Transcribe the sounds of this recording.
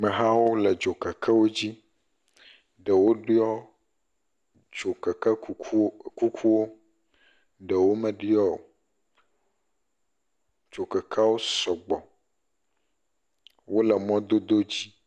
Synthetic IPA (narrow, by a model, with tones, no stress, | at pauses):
mɛ̃˨ɦã˦wo˦lə˨d͡ʒo˨kɛ˨kʰɛ˦wo˦d͡ʑi˦ | ɖə˨wo˦ɖi˦ɔ˦ | d͡ʒo˨kɛ˨kɛ˦ku˦kʰu˦wo˦ | ɖə˨wo˦mɛ̃˨ɖi˦ɔ˦o̰˨ | d͡ʒo˨kɛ˨kʰa˦wo˦sɔ˨ɡ͡bɔ˨ | wo˦lɛ˨mɔ̃˦d̪o˦d̪o˦d͡ʑi˦